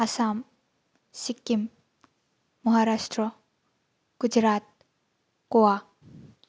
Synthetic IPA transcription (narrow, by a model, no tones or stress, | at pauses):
asaːm | sikːim | ɐɦaːɾaːʃʈɾə | ɡ̥ud͡ʒɾaːt̪̚ | koaː